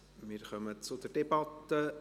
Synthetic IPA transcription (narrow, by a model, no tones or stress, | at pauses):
miːɾxœmət͡sʊd̪əɾd̥ɛbɑt̪ːə